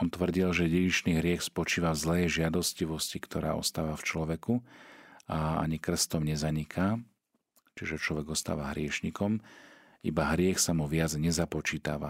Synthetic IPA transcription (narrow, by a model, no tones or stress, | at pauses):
ɔnt̪ʋr̩ɟilʒɛɟijiʃniːɦɾɪɛxspɔt͡ʃiːʋazlɛːʒɪad̪ɔsciʋɔscikt̪ʰɔɾa̰ːʔɔ̰st̪aːʋaft͡ʃlɔʋɛku | aa̰ɲikr̩st̪ɔmɲɛzaɲikʰaː | t͡ʃiʒɛt͡ʃlɔʋɛɡɔst̪a̰ːʋaɦɾɪɛʃɲikɔm | ḭbaɦɾɪɛxsamuʋɪad͡zɲɛzapɔt͡ʃiːt̪aʋa̰